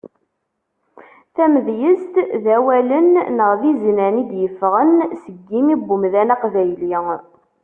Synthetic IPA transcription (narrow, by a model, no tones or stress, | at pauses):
θæməðjəst̪ðæwælənːəʁðiznænid̪jəfʁənsəɡːimibːʊmðænɑqvæjli